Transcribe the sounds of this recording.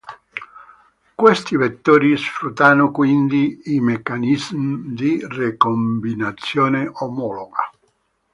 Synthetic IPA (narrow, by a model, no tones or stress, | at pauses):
kwest̪ivet̪ːoːɾisfɾut̪ːaːnokwind̪iimekːanizmd̪irekombinat̪sːjoːneʔomɔloɡa̰